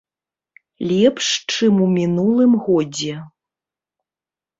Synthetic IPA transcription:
lʲɛpʂt͡ʂɨmumʲinulˠɨmɣɔd͡zʲɛ

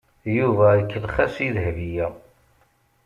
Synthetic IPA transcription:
juvæəkːəlχæsiðəhvijæ

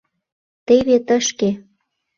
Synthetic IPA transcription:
t̪eβet̪ə̆ʃke

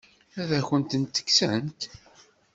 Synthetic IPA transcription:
æðæçənt̪ənt̪ːə̥ksæ̰nt̪

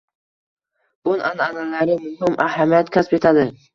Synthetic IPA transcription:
b̥ʊnananalaɾɪmʊhɪmʔahamijat̪kʲʰaspet̪ʰad̪ɪ

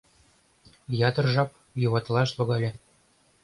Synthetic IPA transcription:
jɑd̪ɤ̆rʒɑp̚ | juβɑt̪lˠɑʃlˠŏɣɑlʲɘ̆

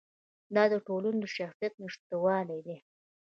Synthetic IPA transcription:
d̪ɑd̪əʈolanod̪əʃaxsijat̪̚nəʂt̪awɑlajd̪e

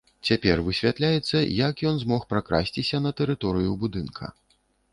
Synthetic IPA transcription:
t͡sʲapʲɛrvɨsʲvʲat̪lʲajɛt̪sːɐjɐkjɔnzmɔxpɾakɾa̰sʲt͡sʲisʲɐnɐt̪ɛɾɨt̪ɔɾɨjubud̪ɨnkʰɐ̰

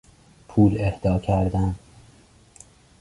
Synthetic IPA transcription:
pʰuːlehd̪ɒːcʰæɾd̪æn

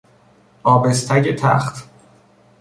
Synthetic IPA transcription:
ʔɒːbe̞st̪ʰæɟet̪ʰæ̰χt̪

